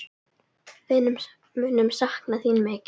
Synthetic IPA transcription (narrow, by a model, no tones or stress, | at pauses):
vɪðnʏ | mʏnʏmsahknaθiːnmɛːc